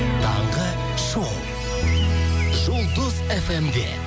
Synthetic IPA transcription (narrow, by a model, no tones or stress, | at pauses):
t̪ʰɑ̰ɴʁə | ʃow̪ˠ | ʒʊlˠd̪əzefemd̪ḛ